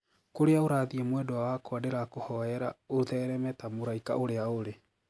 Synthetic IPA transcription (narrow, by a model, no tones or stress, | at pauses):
koɾeaoɾaːðiɛmwɛdɔwawakoadeɾakohɔɛɾaoðɛɾɛmɛtamoɾaika̰ʔoɾeaoɾe